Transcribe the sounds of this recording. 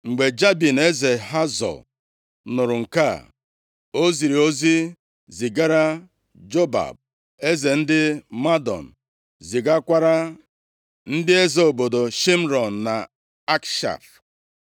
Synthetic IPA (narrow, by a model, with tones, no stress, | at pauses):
ŋ͡m̩˨ɡ͡be˨d͡ʒa˦bi˨ne˦ze˨ɦa˦zɔ̰˨l | nʊ˨ɾʊ˨ŋ̩˨ka˦˨ | o˦zi˨ɾi˨o˦zi˦ | zi˨ɡa˦ɾa˦ | d͡ʒo˦ba̰˨b̚ | e˦ze˨n̩˦dɪ˦ma˦dɔ̰˨n̩˨ | zi˨ɡa˦kʷa˦ɾa˦ | n̩˦dɪ˦e˦ze˨o˨bo˨do˨ʃi˦m˦ɾɔ˨n̩˨na˨ | a˦kʃa̰˨ɾ